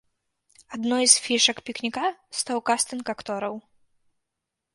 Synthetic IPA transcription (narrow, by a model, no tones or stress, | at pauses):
ad̪nɔjsfʲiʂɐkpʲiknʲikast̪awkast̪ɨnkakt̪ɔɾɐw